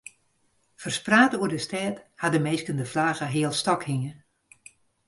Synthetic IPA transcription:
fərspraːtəuərdəstɛːthadəmeːskəndəflaːɣəɦɪəlˠstɔkhiŋə

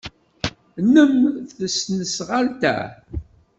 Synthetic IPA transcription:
nəmθəsnəsʁalt̪æ̰

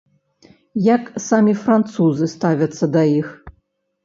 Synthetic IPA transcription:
jaksamʲifrant̪suzɨst̪avʲɐt̪sːɐd̪aix

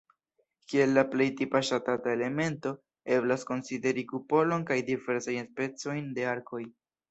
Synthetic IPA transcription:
kie̞lːaple̞jtipaʃatatae̞le̞me̞nto̞ | e̞blasko̞nside̞ɾikupo̞lo̞nkajdive̞ɾsajnspe̞t͡so̞jnde̞aɾkʰo̞j

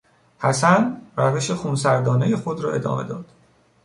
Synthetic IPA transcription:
hæsænræve̞ʃe̞xuːnsæɾd̪ɒːne̞je̞xod̪ɾɒːʔe̞̰d̪ɒ̰ːme̞̰d̪ɒ̰ːd̪̥

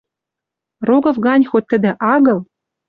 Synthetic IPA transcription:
roɡɤ̆vɡɑnʲxot̪̚ʲt̪ːɘ̆d̪ɘ̆ʔɑɣɤ̆lˠ

